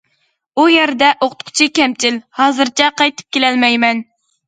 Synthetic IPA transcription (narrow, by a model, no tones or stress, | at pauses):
ujeɾd̪ɛʔoqʊ̥t̪qʰʊ̥t͡ʃʰikʲɛmt͡ʃʰilhɑːzɨɾt͡ʃʰɛqʰɑjt̪ʰɨ̥p̚kʲelɛlmɛjmɛn